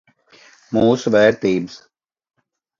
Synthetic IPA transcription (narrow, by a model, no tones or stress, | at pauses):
muːsʋɛːɾt̪iːmz̥